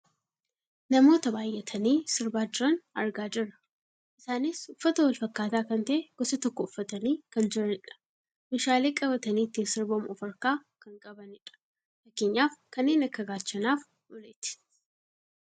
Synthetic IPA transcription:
nɐmo̞ːt̪ɐbaːjʔɛt̪ʰɐniːsɪɾbaːd͡ʒɪɾɐnɐ̰ɾɡaːd͡ʒɪrːɐ̥ | ʔɪsaːnɪsʊfːɐt̪ɐwɐlfɐkːaːt̪aːkɐnt̪ɐʔeɡ̥ɔsɐt̪ɔkːɔʊfːɐt̪ɐniːkɐnd͡ʒɪɾɐnɪᶑɐ̥ | meʃaːleːkʼɐβɐt̪ɐniːt̪ːiːnsɪɾbomɔfɐɾkaːkɐŋkʼɐbɐnɪᶑɐ̥ | fɐkeːɲːaːfkɐnːeːnɐkːɐɡaːt͡ʃːɐnaːf | ʔʊlet̪ɪ̥

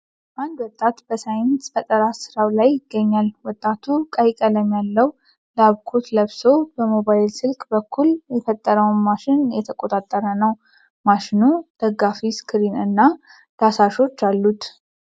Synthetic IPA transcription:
bʔand̪wɔt̪ʼːat̪b̥əsajɪnsbət̪ʼəɾasɨɾawlajːɪɡːəɲːalwɔt̪ʼːat̪ʰukʼajkʼələmjalːəw | laβkʰot̪ləβso̞bəmo̞βajɪlsɨlkʼbəkʰːuljɛfət̪ʼːəɾəwnmaʃɪnjɛt̪ʰəkʼo̞t̪ʼat̪ʼːəɾənəw | maʃɪnud̪̥əɡafiskʰɨɾinɨnːa | d̪̥asaʃo̞t͡ʃːalːut̪

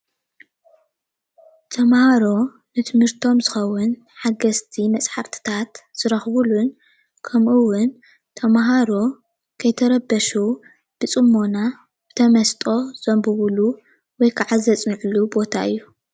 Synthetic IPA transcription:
t̪ʰɐmhaɾo̞ | nɨt̪ʰɨmhɨɾt̪ʰo̞mzɨxɐwʊn | ħaɡɐst̪ʰimɐt͡sʼħaɾt̪ʰɨ̥t̪ʰat̪z̥ɨɾɐxβulun | kʰɐmʔɨwːʊn | t̪ʰɐmaɦaɾo̞ | kʰɐjt̪ʰɐɾɐbɐʃu | b̥ɨt͡sʼɨmːo̞na | b̥ɨt̪ʰɐmɐst̪ʼo̞z̥ɐmbɨβulu | wɔjkʰɨʕazɐt͡sʼnɨʕlubo̞t̪ʰa̰ʔɨjːu

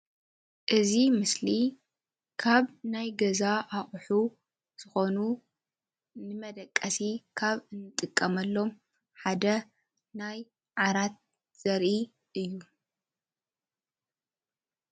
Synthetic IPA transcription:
ʔɨzimɨsli | kʰaβnajɡɐzaʔaχʼħu | z̥ɨxo̞nu | nɨmɐd̪ɐkʼːɐsikʰaβɨnːɨt̪ʼɨkʼːɐmɐlːo̞m | ħad̪ɐ | naj | ʕaɾat̪̚ | z̥ɐɾʔi | ʔɨjːu

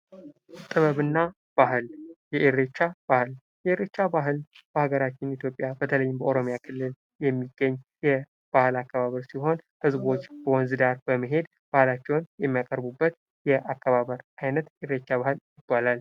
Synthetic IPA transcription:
t̪ʼɨβəβɨnːa | b̥ahljɛʔeɾet͡ʃːab̥ahɨl | jɛʔeɾet͡ʃːabaɦɨlb̥əhaɡəɾat͡ʃːɪnit̪ʰjo̞pʼːjabət̪ʰələjːɪmbəʔoɾo̞mjakʰɨlːɨl | jɛmːiɡːəɲːjɛ | b̥ahɨlakːəβaβəɾsiɦo̞n | hɨzbo̞t͡ʃːb̥əwɔnzɨd̪aɾbəməɦe̞d̪ | b̥ahlat͡ʃːɛwnjɛmːijakʼəɾbubːət̪ | jɛʔakːəβaβəɾajnət̪ʔɪɾet͡ʃːaβahɨljɪb̥ːalal

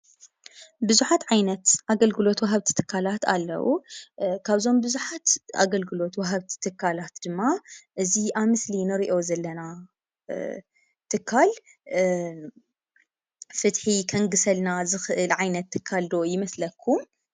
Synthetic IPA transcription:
bɨzuħat̪ʕajnɐt̪ʔaɡɐlɡɨlo̞t̪wɐɦɐβt̪ʰi̥t̪ʰɨ̥kʰːalat̪a̰lːɐ̰wṵkʰaβzo̞mbɨzuħat̪a̰ɡɐlɡɨlo̞t̪wɐɦɐβt̪ʰi̥t̪ʰːɨkʰːalat̪d̪̥ɨmːaʔɨziʔaβmɨslinɨɾiʔo̞zɐlːɐna | t̪ʰɨkʰːal | fɨt̪ħikʰɐŋɡɨsɐlnazɨxɨʔɨlʕajnɐt̪ʰːɨkʰːald̪o̞jɪmɐslɐkʰːum

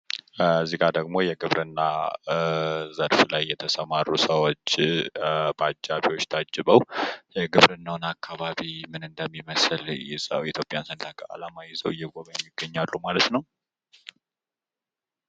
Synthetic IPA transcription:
zːiɡad̪əɡmo̞jɛɡɨβɾʔɨnːa | zəɾflajːɛt̪ʰəsəmaɾusəwot͡ʃː | bad͡ʒːaβiwo̞t͡ʃːt̪ʰad͡ʒɨβəwjɛɡɨβɾɨnːawnakʰːaβaβimɨnɨnd̪əmːiməsɨljɛzəwit̪ʰjo̞pʼjansənt̪ʰakʰʼəa̰lamajɪzəwɨjːɛɡoβəjɛmːiɡːəɲːalːumalət̪nəw

